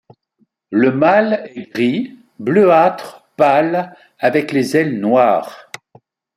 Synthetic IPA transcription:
ləmalɛɡʁi | bløat̪χpal | avɛklezɛlnwaːʁ

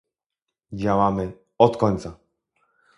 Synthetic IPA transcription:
d͡ʑawamɘ | ɔt̪kɔɲʲt̪sa

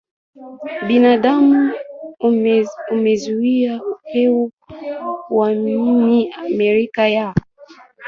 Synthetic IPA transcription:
ɓinaɗamu | umɛzuiaukɛu | waminiamɛɾikaja

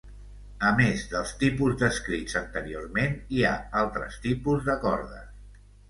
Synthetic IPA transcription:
əmezðəlˠst̪ipuzd̪əskɾit͡sənt̪əɾiormenia̰alˠt̪ɾə̰st̪ipuzðəkɔɾðə̰

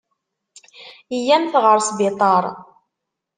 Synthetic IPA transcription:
ijæmθʁəɾsbɪt̪ˤɑɾˤ

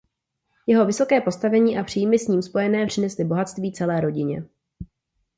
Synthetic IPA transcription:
jɛɦo̞vɪso̞kɛːpo̞st̪avɛɲiːʔapr̝̥iːjmɪsɲiːmspo̞jɛnɛːpr̥ɪnɛslɪbo̞ɦat̪st̪viːt͡sɛlɛːɾo̞ɟɪɲɛ̰

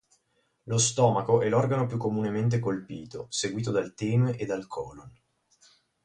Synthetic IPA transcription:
lost̪ɔːmakoʔɛlːɔrɡanop̬jukːomunement̪̬ekolpiːt̪o̰seɡwiːt̪od̪alt̪imed̪ːalkʰɔːlon

